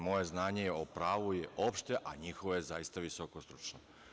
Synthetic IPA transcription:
mo̞je̞znaːɲejeopɾaːʋujeʔo̞pʃt̪e̞ʔaɲixoʋojezajist̪aʋisokost̪ɾut͡ʃno

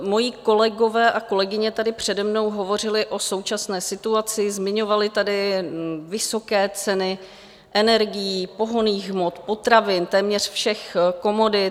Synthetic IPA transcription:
mo̞jiko̞lɛɡo̞vɛːʔako̞lɛɡɪɲɛt̪adɪpr̝̥ɛdɛmno̞wɦo̞vo̞r̝ɪlɪʔo̞so̞wt͡ʃasnɛːsɪt̪uat͡sɪzmɪɲo̞valɪt̪adɪvɪso̞kɛːt͡sɛnɪ | ʔɛnɛɾɡɪjiːpo̞ɦo̞niːɣmot̪po̞t̪ɾavɪnt̪ɛːmɲɛr̥fʃɛxko̞mo̞dɪ

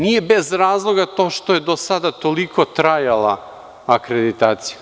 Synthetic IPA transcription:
niɛbɛzɾazlˠoɡat̪oʃt̪oɛd̪osad̪at̪olikɔt̪ɾajalˠa̰ | akɾɛd̪it̪at̪sija

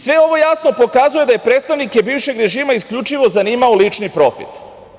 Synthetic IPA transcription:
sʋe̞o̞ʋo̞jasno̞po̞kazuje̞d̪aje̞pɾe̞t̪st̪aʋnikebiːʋʃe̞ɡɾe̞ʒiːmaiskʎut͡ʃiʋo̞zaniːmaolit͡ʃnipɾo̞fḭt̪

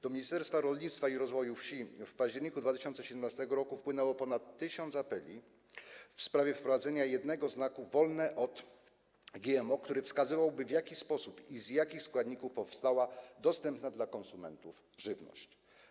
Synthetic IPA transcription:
d̪̥ɔmʲiɲist̪ɛɾst̪faɾɔlɲit̪st̪faiɾɔzvɔjufɕifpaʑd͡ʑɛɾɲikud̪vat̪ɪɕɔnt̪sɛɕɛd̪ɛmnast̪ɛɡɔɾɔkufpwɘnɛwɔpɔnat̪ːɘɕɔnt̪sapɛlʲi | fspɾavʲjɛfpɾɔvad̪zɛɲajɛd̪nɛɡɔznakuvɔlnɛʔɔt̪ | ɡʲɛɛmɔkt̪uɾɘfskazɘvawbɘvʲjakʲispɔsupizjakʲixskwad̪ɲikufpɔfst̪awad̪ɔst̪ɛmpnad̪lakɔnsumɛnt̪uf | ʐɘvnɔ̰ɕt͡ɕ

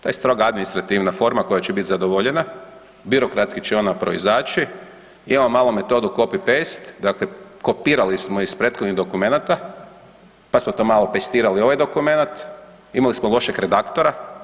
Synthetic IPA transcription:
t̪oje̞st̪ɾo̞ɡaad̪minist̪ɾat̪iʋnafo̞ɾmako̞jat͡ɕebit̪zad̪oʋoʎe̞na | biɾo̞kɾat̪skit͡ʃeo̞napɾo̞izaːt͡ʃi | imamomaːlˠome̞t̪o̞d̪uko̞pipest̪d̪akleko̞piːɾalismoispɾet̪xod̪nid̪okume̞nat̪a | pasmot̪o̞ːmaːlˠopest̪iːɾalio̞ʋajd̪o̞kume̞nat̪ | imalismolˠo̞ʃekɾed̪akt̪oɾa

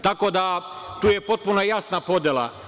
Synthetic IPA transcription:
t̪akod̪a | t̪uːjepo̞t̪̚punojasnapo̞d̪ʲjelˠa̰

